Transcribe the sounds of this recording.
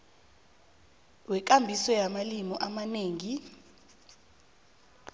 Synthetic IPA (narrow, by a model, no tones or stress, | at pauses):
wɛk̬ʼambʱisɔjamalimɔʔamaneːŋi